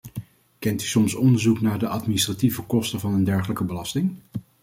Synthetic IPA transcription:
kɛnty̥sɔmsɔndəɹzuknaːɹdəʔɑtministrativəkɔstəvɑnəndɛɹχələkəbəlɑstɪŋ

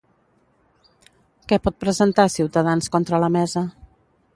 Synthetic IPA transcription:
kɛpɔt̪̚pɾəzənt̪asiwt̪əðanskɔnt̪ɾələmɛzə

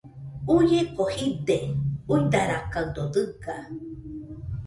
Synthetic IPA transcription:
ujekohid̪euid̪aɾakawd̪od̪ɨka

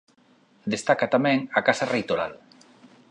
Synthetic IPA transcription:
d̪est̪akat̪amɛ̃ŋakasarejt̪oɾa̰l

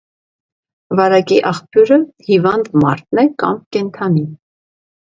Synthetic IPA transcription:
vɑɾɑkiʔɑχpjuɾəhivɑnd̪mɑɾt̪nɛkɑ̰mkɛnt̪ʰɑni

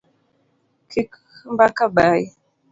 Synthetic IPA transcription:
kʰik | mbakabai

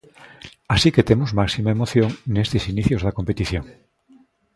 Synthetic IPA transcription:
asiket̪emozmaksimaemoθjoŋnest̪esiniθjozðakompet̪iθjoŋ

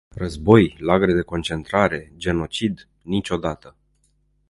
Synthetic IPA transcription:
rəzbo̞jlaɡɾed̪e̞ko̞nt͡ʃe̞nt̪ɾaɾe̞d͡ʒe̞no̞t͡ʃid̪ | nit͡ʃʲo̞d̪at̪ə

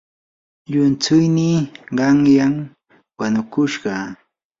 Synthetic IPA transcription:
ʎʊnt͡sʊjniɢɑŋjam | wanʊkʊʃɢɑː

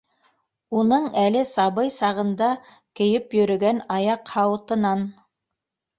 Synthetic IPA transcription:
unɤɴælɘsɑβɤjsɑʁɤ̆nd̪ɑ | kɘ̆jɘpjɵ̆ɾɵ̆ɡænɑjɑqhɑwɤ̆t̪ɤ̆nɑn

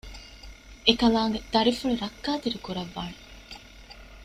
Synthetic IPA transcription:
ekɐlaːŋɡed̪̥ɐɾifuɭuɾɐkːaːt̪iɾikuɾɐʋːaːne

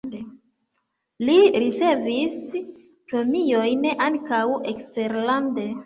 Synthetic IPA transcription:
liɾit͡se̞vis | pɾomijo̞jnʔaŋkawe̞kste̞ɾlande̞

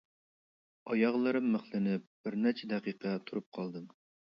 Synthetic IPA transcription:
ɑjɑʁlˠɨɾɨmːəχlˠɨnɪp̚b̥ɪɾnɛɾt͡ʃʰɛd̪ɛqiqʰət̪ʰuɾup̚qʰɑlˠd̪ɨm

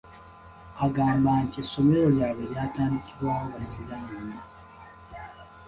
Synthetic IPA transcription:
aɡaːmbaːntieso̞me̞ɾo̞ljaːβeljaːtaːndiciβwaːwoβasiɾaːna

